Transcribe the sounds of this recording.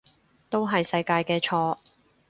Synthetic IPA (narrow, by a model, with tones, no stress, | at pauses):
t̪o˥wɦɐ˨jsɐ˧jkaː˧jkɛː˧t͡ʃʰɔː˧